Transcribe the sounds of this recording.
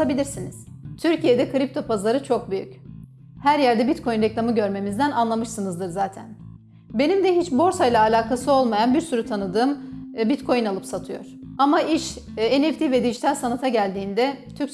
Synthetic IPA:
abilʲiɾsiniz̥t̪ʰyɾcije̞d̪ɛkɯɾip̚t̪ʰo̞pʰazlˠaɾɯt͡ʃʰo̞k̚byjy̰c | hæɾjæɾd̪ɛbit̪kʰo̞junɾɛclˠamɯɟø̞ɾme̞mizd̪ænanlˠamɯʃsɯnɯzd̪ɯɾzaːt̪ʰæ̰n | be̞nimd̪ɛɦit͡ʃbo̞ɾsajlˠaːlʲaːkʰasɯo̞lˠmajanbiɾsyɾut̪ʰanɯd̪ɯːmbit̪kʰo̞junalˠɯpsat̪ʰɯjo̞̰ɾ̥ | amaiʃ | enɛft̪ʰivɛd̪id͡ʒit̪ʰalʲsanat̪ʰaɟælʲd̪iːnd̪ɛt̪ʰyɾcs

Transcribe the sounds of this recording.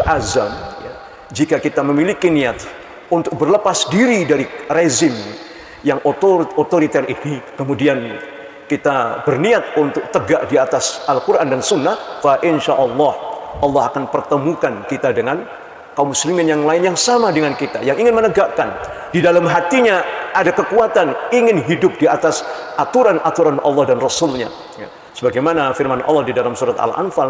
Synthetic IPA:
ʔazamja̰ | d͡ʒikakit̪aməmilikiniat̪ | unt̪ʊk̚bərləpasdiɾidaɾirezɪm | jaŋʔot̪oot̪oɾit̪ɛribnikəmudian | kit̪abərniat̪̚unt̪ʊk̚t̪əɡaʔdiat̪asalkurʔandansunːahfaʔɪnʃaʔɑlːɑhʔɑlːɑɦakanpərt̪əmukankit̪adəŋan | kamːuslimɪnjaŋlaɪnjaŋsamadəŋankit̪a̰jaŋiŋɪnmənəɡaʔkan | didalamɦat̪iɲaʔadakəkuat̪aniŋɪnɦidʊp̚diat̪asʔat̪uɾanʔat̪uɾanʔɑ̰lˠːɑhdanrɔsʊlɲa̰ | ja | səbaɡajmanafɪrmanʔɑ̰lːɑhdidalamsuɾat̪a̰la̰nfal

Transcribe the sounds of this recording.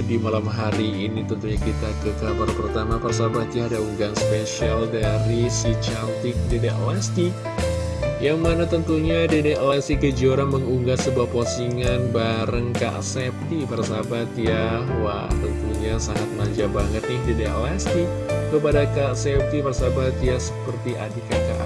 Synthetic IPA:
dimalamɦaɾiːnit̪ənt̪uɲakit̪akəkabaɾpərt̪amapərs̬abat̪jahadauŋɡanspesialdaɾisit͡ʃant̪ɪk̚dedeʔlɛst̪i | jaŋmanat̪ənt̪uɲadedelast̪ikəd͡ʒioɾanməŋuŋɡasəbuaposiŋanbaɾəŋka̰ʔsɛp̚t̪ipərsabat̪ijawa̰t̪ənt̪uɲasaŋat̪̚maɲd͡ʒabaŋət̪̚nɪhdedɛʔlɛst̪i | kəpadakasɛp̚t̪ipərsabat̪iasəpərt̪iʔa̰dikaka̰ʔ

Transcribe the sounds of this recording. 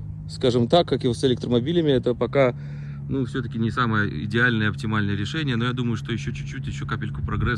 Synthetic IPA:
skaʐɨmt̪akːakɪsɪlʲek̚t̪ɾəmɐbʲilʲɪmʲɪɛt̪əpɐka | nufsʲot̪əkʲɪnʲɪsaməjəɪ̰dʲɪalʲnəjəɐp̚tʲɪmalʲnəjəɾʲɪʂɛnʲɪjəno̞jad̪uməjʊʂt̪ojɪɕːot͡ɕʉt͡ɕːutʲjɪɕːokapʲɪlʲkʊpɾɐɡɾɛ

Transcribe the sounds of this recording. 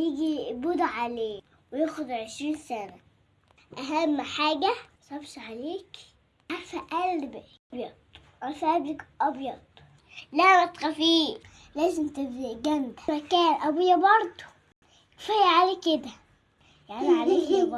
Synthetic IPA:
jiɡibud̪ʕaleː | wɪjæːxʊd̪ʕeʃɾiːnsænæ | ʔæɦæmːħaːɡæsˤɑbʃʕaleːk | ʕaɾfæʔælb | bjɑd̪ | ʔæfæblɪkʔɑbjɑd̪̥ˤ | læwæt̪xæfiː | læːzɪmt̪ɪbd̪iɡæmd̪æ̥ɾækæːlʔæbujːæbɑɾˤd̪ˤo̥ | fæjːaʕaleːked̪æ | jaʕniʕaleː

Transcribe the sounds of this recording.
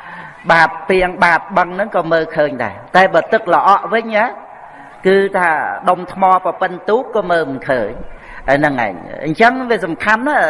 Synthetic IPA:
ɓaːt̪̚piəŋɓaːt̪̚ɓəŋnɨŋkɑːməːkʰəːɲɗa̰ɛt̪aɛɓɑːt̪ɨk̚ləʔɑʔʋɨɲʔa | kɨːt̪ʰaːɗomt̪ʰmɑːprɑpɨnt̪uːp̚kɑːməːmɨnkʰəːɲ | ɗaɛnɨŋʔa̰ɛɲɲt͡ɕəŋʋiəsɑmkʰanːa

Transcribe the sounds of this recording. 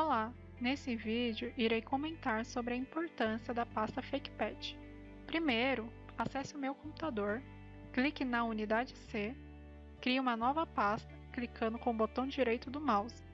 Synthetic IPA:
la | nesɪvid͡ʒɪʊʔiɾejkõmẽnt̪aɾsobɾɪɐĩmpoɾt̪ɐ̃siɐd̪ɐpast̪ɐfejkpɛt͡ʃɪ̥ | pɾimejɾʊ | asɛsɪʊmewkõpu̥t̪ad̪oɾ | klikɪnɐunid̪ad͡ʒɪse | kɾijũmɐnɔvɐpast̪ɐ̥klikʰɐ̃nd̪ʊkõbot̪ɐ̃w̃d͡ʒiɾejt̪ʊd̪ʊmawz

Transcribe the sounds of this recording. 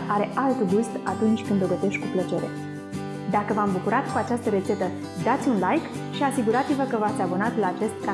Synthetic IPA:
ʔaɾe̞ʔalt̪ɡust̪at̪unt͡ʃʲkɨnd̪oɡət̪e̞ʃt̪ʲkuplət͡ʃe̞ɾe̞̰ | d̪akəvambukuɾat̪kuat͡ʃast̪əɾe̞t̪se̞t̪ə | d̪at̪sʲunlajk | ʃiasiɡuɾat̪sivəkəvat̪sʲabunat̪laːt͡ʃe̞st̪ːɾa

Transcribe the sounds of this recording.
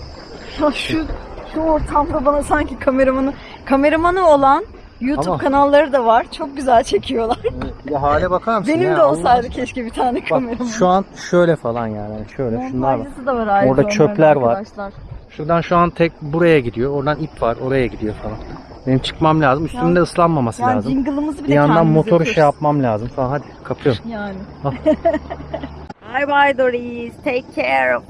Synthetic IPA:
aʃuʃuoɾt̪ʰamd̪abanasaɲcikʰame̞ɾamanɯ | kʰame̞ɾamanɯo̞lˠan | jut̪ʰupkʰanalˠːaɾɯd̪avaɾ̥t͡ʃʰo̞k̚ɟyzælʲt͡ʃʰe̞cʰijo̞lˠaɾ̥jaɦaːlʲɛbakʰaɾmbe̞nimd̪ɛosajd̪ɯcʰɛʃcibit̪ʰaːnɛkʰame̞ɾamaʃuanʃø̞jlʲɛfalˠanjaːnihaniʃøjlʲɛʃund̪aaasɯd̪avaɾaːoɾd̪at͡ʃʰølʲæɾvaɾt͡ʃlˠaɾʃuɾd̪anʃuant̪ʰɛc̚buɾajaɟid̪ijo̞oɾd̪anipvaɾo̞ɾajaɟid̪ijo̞falˠan | benimt͡ʃʰɯ̥kmamlʲaːzɯmyst̪ymind̪ɛɯslˠanmamasɯlʲaːzmiŋɡɯlˠɯmɯzibijandd̪anmo̞t̪ʰo̞ɾyʃɛjap̚mamlʲaːzɯmfalˠanɦad̪ikʰapʰɯjomjaːnɪ | a | ajbajd̪oɾiz̥t̪ʰejkʰːɛɾ

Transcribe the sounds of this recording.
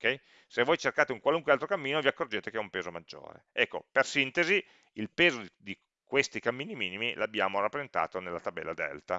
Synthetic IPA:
okɛj | sevːoːjt͡ʃerkaːt̪euŋkwaluŋkwealt̪ɾokamːiːnoviakːord͡ʒeːt̪ekeɛumpeːzomad͡ʒːo̰ːɾḛɛkːo̰persint̪ezi | ilpeːzod̪d̪i | kwest̪ikamːiːnimiːnimilabːjaːmorapːɾeent̪a̰ːt̪onelːat̪abɛ̰lːad̪ɛ̰lt̪a

